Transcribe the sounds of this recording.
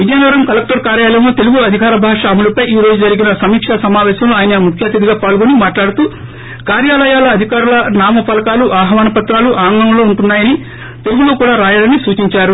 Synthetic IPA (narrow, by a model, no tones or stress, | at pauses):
ʋid̪jaːnɐɾɐmkɐlɐk̚ʈɐɾkaːɾjaːlɐjɐmlot̪e̞luɡuɐd̪ʱikaːɾɐbʱaːʂaːmulɐpɐjiːɾo̞ːd͡ʒud͡ʒɐɾiɡinɐsɐmiːkʂasɐmaːʋɛːɕɐmloaːjinɐmukʰjaːt̪id̪iɡaːpaːɭɡonimaːʈlaːɽut̪uː | kaːɾjaːlɐjaːlɐːd̪ʱikaːɾulɐnaːmɐpɐlɐkaːluʔaːɦɐʋaːnɐpɐt̪ɾaːluʔaːŋɡɐmlo̞ːuɳʈunːaːjɐni | t̪eluɡuloːkuːɽaːɾaːjaːɽɐnisuːt͡ʃiɲt͡ʃaːɾu